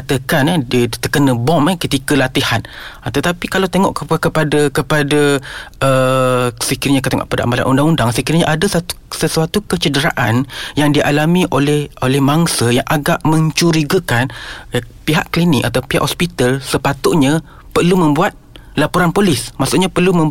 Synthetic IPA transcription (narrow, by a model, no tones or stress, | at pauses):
at̪əkandədt̪əkənəbɔməkət̪ikəlat̪ihant̪ət̪apikalawt̪eŋɔʔkkəpadakəpadaə | səkiɪɾɲakət̪eŋɔ̰ʔpada̰ʔmbala̰ʔundaŋundaŋsəkiɾɲaʔadəsat̪u̥səsuat̪ukət͡ʃədəɾaʔanjaŋdiʔalamĩʔolɛholɛhmaŋsəjaŋʔaɡaʔmə̃ɲt͡ʃuɾiɡəkan | piɦaʔklinɪk̚at̪awpiɦaʔhospit̪alsəpat̪ʊʔɲa | pərlumə̃mbuat̪̚ | lapuɾanpolismaʔsuʔɲapərlumə̃